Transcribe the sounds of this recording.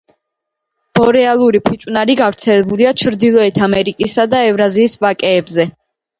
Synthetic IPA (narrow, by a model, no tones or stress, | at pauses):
b̥ɔɾɛalˠuɾipʰit͡ʃʼwnaɾiɡavɾt̪sʰɛlɛbuliat͡ʃʰɾd̪ilˠɔɛt̪ʰamɛɾikʼisad̪aɛvɾaziːsvakʼɛːbzɛ